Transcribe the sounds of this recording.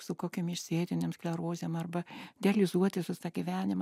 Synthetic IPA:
sʊkoːkʲemɪʃʲsʲeːd̪ʲɪnʲeːmsklʲɛɾoːzʲeːmɐrbɐd̪ʲɛɛlʲɪzuɔt̪ʲɪsʲɪst̪ɑɡʲɪʋʲæːnʲɪm

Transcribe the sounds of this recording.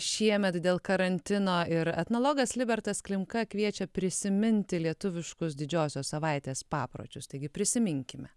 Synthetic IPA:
ʃʲiɛmʲɛt̪d̪ʲeːlˠkɐɾɐnʲt̪ʲɪnoːɪɾɛt̪noːlˠoːɡɐslʲɪbʲɛɾt̪ɐsklʲɪmkɐkʋʲiɛt͡ʃʲɛpʲɾʲɪsʲɪmʲɪnʲt̪ʲɪlʲiɛt̪ʊʋʲɪʃkʊs̬d̪ʲɪd͡ʒʲoːsʲoːsɐʋɐɪt̪ʲeːspɑːpɾo̰ːt͡ʃʲʊst̪ɐɪɡʲɪpʲɾʲɪsʲɪmʲɪŋʲkʲɪmʲɛ

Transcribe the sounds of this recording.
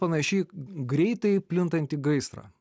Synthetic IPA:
pɐnɐʃʲɛɪɡɾʲɛɪt̪ɐɪpʲlʲɪnt̪ɐnʲt̪ʲiɡɐɪst̪ɾɐ̰

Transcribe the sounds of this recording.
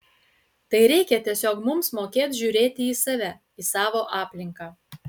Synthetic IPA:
t̪ɐɪɾʲɛɪkʲɛt̪ʲiɛsʲoːkmʊmsmoːkʲeːt̪ʒʲuːɾʲeːt̪ʲɪiːsɐʋʲɛ | isɑːʋoːʔɑːpʲlʲɪŋkɑː

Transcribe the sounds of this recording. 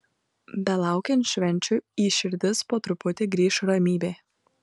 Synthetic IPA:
bʲɛlˠɑˑʊkʲɛnt̪ʃʲʋʲɛnʲt͡ʃʲuiːʃʲɪɾʲd̪ʲɪspoːt̪ɾʊpʊt̪ʲɪɡɾʲiːʃʊɾɐmʲiːbʲeː

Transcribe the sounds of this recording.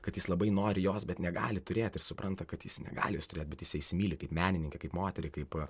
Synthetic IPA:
kɐt̪jɪslˠɐbɐɪnoːɾʲɪjoːsbʲɛt̪nʲɛɡɑ̰ːlʲɪt̪ʊɾʲeːt̪ɪrsʊpɾɐnt̪ɐkɐt̪jɪsnʲɛ̰ɡɑ̰ːlʲɪjoːst̪ʊɾʲeːt̪̚bʲɛt̪jɪsɛɪsʲɪmʲiːlʲɪkɐɪpmʲæːnʲɪnʲɪŋkʲɛkɐɪpmoːt̪ʲɛɾʲɪkɐɪp

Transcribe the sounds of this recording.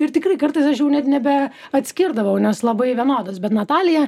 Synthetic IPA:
ɪɾt̪ʲɪkrɐɪkɐɾt̪ɐɪsɐʃjɛʊnʲɛt̪nʲɛbʲɛ | ɐt̪ʲsʲkʲɪɾd̪ɐʋɐʊnʲɛslˠɐbɐɪʋʲiɛnoːd̪ɐsbʲɛt̪nɐt̪ɑːlʲɪjɛ

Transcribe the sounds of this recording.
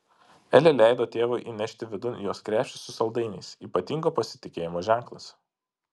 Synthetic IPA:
ɛlʲelʲæˑɪd̪oːt̪ʲeːʋoɪʔiːnʲɛʃʲt̪ʲɪʋʲɪd̪ʊnʲjoːskɾʲæːpʲʃʲt͡ʃʲɪ̥sːʊsɐlˠd̪ɐɪnʲɛ̰ɪsiːpɐt̪ʲiŋɡoːpɐsʲɪ̥t̪ʲɪkʲeːjɪmoːʒʲæˑŋˑklˠɐs

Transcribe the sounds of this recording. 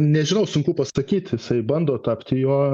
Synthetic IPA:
nʲɛʒʲɪnɐʊsʊŋkʊpɐsɐkʲiːt̪ʲjɪsɐɪbɐnd̪oːt̪ɑpʲt̪ʲɪjuː

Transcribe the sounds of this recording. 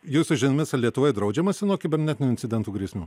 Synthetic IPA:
juːsʊʒʲɪnɐmʲɪsɐlʲiɛt̪ʊʋɐɪd̪ɾɐʊd͡ʒʲɛmɐsʲɪnuɔkʲɪbʲɛɾʲnʲɛt̪ʲɪnʲːɪnʲt͡s̪ʲɪdʲɛnt̪uːɡɾʲiɛsʲmʲuː

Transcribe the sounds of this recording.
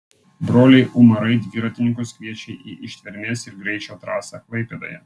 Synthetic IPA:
bɾoːlʲɛɪʔʊmɐɾɐɪd̪ʲʋʲɪɾɐt̪ʲɪnʲɪŋkʊskʋʲiɛt͡ʃʲɛɪʔiʔɪʃʲt̪ʲʋʲɛɾʲmʲeːsɪɾɡɾʲɛɪt͡ʃʲoːt̪ɾɑːsɐklˠɐɪpʲeːd̪ɐ̰jɛ

